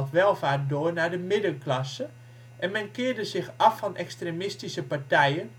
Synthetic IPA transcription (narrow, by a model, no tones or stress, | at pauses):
lˠtʋɛlˠfaːrt̚doːərnadəmɪdəklasə | ʔɛnmɛnkɪːərdəzɪxɔfːɔnʔɛkstremɪstisəpartɛjən